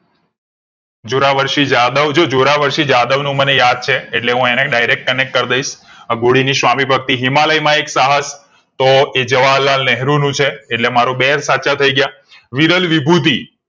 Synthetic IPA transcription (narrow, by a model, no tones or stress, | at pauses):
d͡ʒoɾaʋəɾʃid͡ʒad̪əʋd͡ʒod͡ʒoɾaʋəɾʃid͡ʒad̪əʋnũmənejad̪̚t͡ʃʰeːʈleɦũeneɖajɾek̚ʈ̚kənek̚ʈ̚kəɾd̪əiʃəɡoɽiniʃʋamibʱək̚t̪iɦimaləjmãeksaɦəs | t̪oed͡ʒəʋalːalnɛɦɾũnũt͡ʃʰeːʈlemaɾũbeɾsat͡ʃat̪ʰəiɡja | ʋiɾəlʋibʱut̪̬i